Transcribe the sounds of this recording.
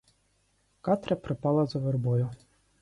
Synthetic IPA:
kɑt̪ɾʲɐpɾɪpɑlˠɐzɔʋerbɔjʊ

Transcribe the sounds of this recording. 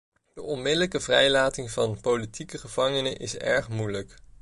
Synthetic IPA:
d̥əɔnmɪdələkəvrɛjlaːtɪŋvɑnpowlitikəχəv̥ɑŋənəʔɪsɛ̰ɹχmujlək

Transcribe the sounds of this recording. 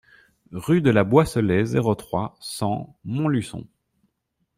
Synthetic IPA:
ʁyd̪əlabwasəlɛzeʁot̪χwasɑ̃mɔ̃lysɔ̰̃

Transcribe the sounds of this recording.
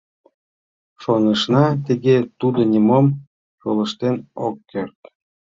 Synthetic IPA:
ʃonəʃnɑt̪iɣet̪ud̪onʲimom | jolˠə̆ʃt̪enokːert̪

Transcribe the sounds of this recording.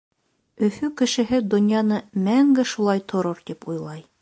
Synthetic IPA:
ɵ̆fʉkɘ̆ʃɘ̆ɦɘd̪ŏnʲjɑnɤmæŋɡɘʃulˠɑjt̪ʰŏɾoɾt̪ipujlˠɑj

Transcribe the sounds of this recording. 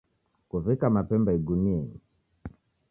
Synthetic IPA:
kuvikamapɛmbaiɡuniɛni

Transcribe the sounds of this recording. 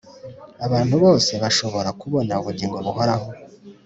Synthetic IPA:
aβaːnhuβo̞ːse̞βaʃo̞βo̞ɾakuβo̞nauβuɟiːŋɡo̞βuho̞ɾaho̞

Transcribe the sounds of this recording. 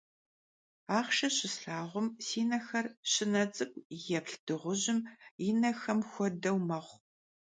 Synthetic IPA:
aːχʃɐɕɪsɬaːʁʷʊmsiːnɐxɐrɕɪnɐt͡sʼɨɡʷjɛpɬd̥ɨʁʷʊʑɪminɐxɐmxʷɔdɐwmɐχʷ

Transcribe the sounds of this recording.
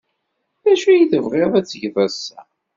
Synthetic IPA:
ðæʃijiθəvʁeðˤæt͡sːʝvæsːæ̰

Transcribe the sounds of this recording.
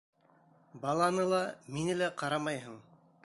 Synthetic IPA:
bɑlˠɑnɤlˠɑminɘlæqɑɾɑmɑjɦɤɴ

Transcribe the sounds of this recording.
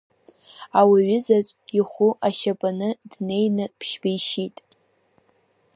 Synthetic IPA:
awiɥʊzat͡sʷʼiχʷʊʔaʃapʼanɨd̥ne̞jnɨpʰʃbijʃitʼ

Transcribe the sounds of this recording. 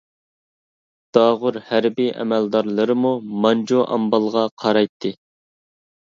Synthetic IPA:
d̪̥ɑʁʊɾhæɾbiʔɛ̰mæld̪ɑɾlˠəɾɨmumɑnd͡ʒoʔɑ̰mbɑlˠʁɑqʰɑɾɑjt̪ʰːɨ

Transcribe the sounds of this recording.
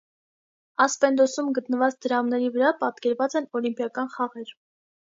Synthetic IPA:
ɑspɛnd̪ɔsumɡət̪nəvɑt͡sd̪əɾɑmnɛɾivəɾɑpɑt̪kɛɾvɑt͡sɛnɔlimpjɑkɑnχɑʁɛɾ

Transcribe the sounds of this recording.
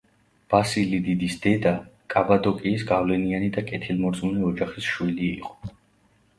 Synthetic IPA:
b̥asilid̪id̪isd̪ɛd̪akʼabad̪ɔkʼiːsɡavlɛnianid̪akʼɛt̪ʰilmɔɾd̪zʼmunɛɔd͡ʒaχisʃwilḭːqʼɔ̥

